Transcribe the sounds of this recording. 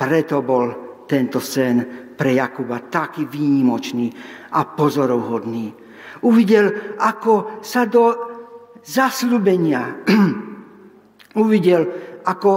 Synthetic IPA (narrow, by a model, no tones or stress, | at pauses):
pɾɛt̪ɔbɔlt̪ɛnt̪ɔsɛnpɾɛjakubat̪akiːʋiːɲimɔt͡ʃniːapɔzɔɾɔʊɦɔd̪niː | uʋiɟɛlakɔsad̪ɔ | zasluːbɛɲɪa | uʋiɟɛlakɔ